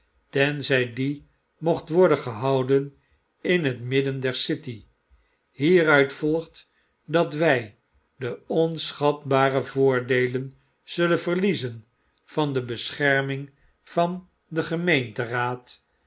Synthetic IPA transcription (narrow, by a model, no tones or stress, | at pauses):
tɛnzɛjdi | moχtʋɔɹdəχəɦɑwdən | ɪnɦətmɪdəndɛɹsɪti | ɦiːrœɥtfɔlˠχt | dɑtʋɛj | dəɔnsχɑtbaːrəvʊːɹdejlən | z̥ɵlənvəʁlizən | vɑndəbəsχɛɹmɪŋ | vɑn | dəχəmejntəraːt